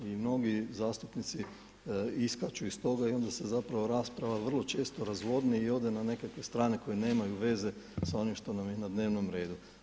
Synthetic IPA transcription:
imno̞ɡizaːst̪upnit̪si | iskat͡ʃuist̪o̞ɡaio̞nd̪ase̞zapɾaʋo̞ɾaspɾaʋaʋr̩lˠo̞t͡ʃe̞ːst̪oɾazʋo̞d̪niio̞d̪e̞nane̞kakʋest̪ɾaːne̞ko̞jene̞ːmajuʋe̞ze̞ | sao̞nimʃt̪o̞namjenad̪ne̞ːʋno̞mɾe̞ːd̪u

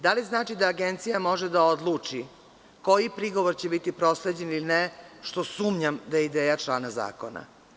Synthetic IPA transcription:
d̪aliznaːt͡ʃid̪aːɡent̪sijamo̞ʒed̪ao̞d̪lˠuːt͡ʂi | ko̞jipɾiɡo̞ʋoɾt͡ɕebit̪ipɾo̞sle̞d͡ʑenilineʃt̪o̞suːmɲamd̪ajeid̪eːjat͡ʃlˠaːnaza̰ːko̞na̰

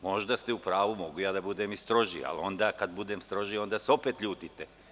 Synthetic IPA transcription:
mo̞ʒd̪ast̪eupɾaːʋumo̞ɡujaːd̪abud̪eːmist̪ɾo̞ʒḭa̰lo̞nd̪aːkad̪bud̪eːmst̪ɾo̞ʒio̞nd̪aːseo̞peːt̪ʎuːt̪it̪e

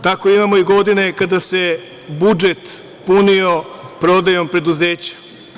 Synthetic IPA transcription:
t̪ako̞imamo̞iɡo̞d̪ine̞kad̪ase̞ | bud͡ʒet̪ | punio̞pɾo̞d̪ajo̞mpɾe̞d̪uzeːt͡ɕḁ

